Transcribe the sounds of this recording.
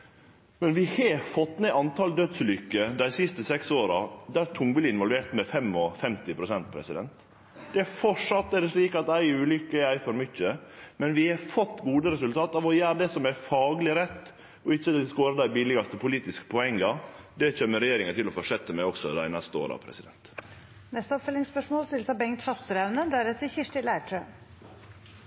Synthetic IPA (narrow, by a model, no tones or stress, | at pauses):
mɛnʋɪhefɔt̪ːmeʔɑnt̪ʰɑːld̪œd̪sʉlʏkːəd̪æɪsɪst̪əsɛksoːɾɑd̪æɾt̪ʰʊŋblɪɪnʋɔlʋeːɾt̪mɛfɛmɔfɛmt̪ɪpʰɾʊsɛnt̪̚pʰɾɛsɪd̪ɛnt̪ | d̪̥ɛæɾfɔʂɑt̪ːɛd̪ɛʂliːkɑt̪æɪʉːlʏkːəɛæɪfɔɾmʏçəmɛnʋɪhɛfɔt̪ːɡuːd̪əɾɛsʉlt̪ʰɑːt̪ɑʋɔjæːɾəd̪ɛsɔmæfɑːɡlɪɾɛt̪ː | ɔɪçːəd̪ɛskoːɾəd̪æɪbɪlɪɡɑst̪əpʰʊliːt̪ɪskə̥pʰɔɛŋːɑ | d̪ɛc͡çøːməɾɛjeːɾɪŋənt̪ɪlɔfɔʂɛt̪ːəmæɪɔksɔd̪æ̰ɪnɛst̪əo̰ːɾɑ̰pʰɾɛ̰sɪd̪ɛnt̪ | nɛst̪əɔpfœlɪŋspœʂmoːlst̪ɪlsɑbɛŋt̪hɑst̪əɾæʉnəd̪æɾɛt̪ɪçɪʂʈɪlæɪʈʰɾøː